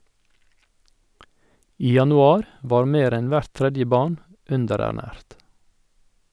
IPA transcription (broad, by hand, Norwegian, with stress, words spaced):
ˈiː jɑnʊˈɑːɾ ˈʋɑːɾ ˈmeːɾ ˈɛn ˈʋæɾt ˈtɾɛdjə ˈbɑːɳ ˈʉndəɾæˌɳæːɾt